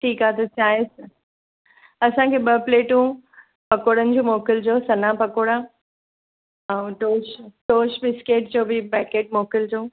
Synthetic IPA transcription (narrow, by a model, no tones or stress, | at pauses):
ʈʰiːkaːt̪ɐsaːɪs | ɐsãkʰeːɓɐpleːʈũ | pɐkoːɽənɪ̆d͡ʑoːmoːkɪld͡ʑoːsɐnapɐkoːɽa | ãʈoːʃʈoːʃbɪskeːʈ̚d͡ʑoːbɪpɛːkeːʈ̚moːkɪld͡ʑoː